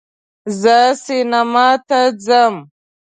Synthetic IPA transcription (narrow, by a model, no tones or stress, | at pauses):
zəsinamat̪ad͡zəm